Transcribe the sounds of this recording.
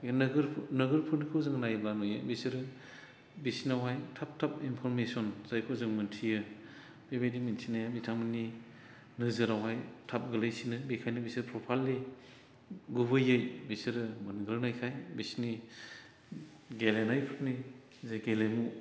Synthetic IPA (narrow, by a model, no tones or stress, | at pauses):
nɡɾʰnɯɡɯɾpʰɯɾnikʰɯwzɯŋnajbanɔjɯ̰bisiɾɯ | bisinawajtʰap̚tʰap̚inpʰɔɾmesiɔnzajkʰozɯŋmɯntʰijɯ | bebedimensʰinajabitʰamɯni | nɯzɯɾawajtʰap̚ɡɯlɯjsinɯbikʰajnɯbisiɾpʰɾɔpʰalːi | ɡuβɯjɯjbisiɾɯmanɡɯɾnajkʰajbisni | ɡelenajpʰɯɾni | zeɡelemu